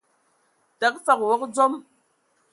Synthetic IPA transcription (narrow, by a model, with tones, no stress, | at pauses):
ta˨˦k̚fa˨kwɔ˦k̚d͡zo˦m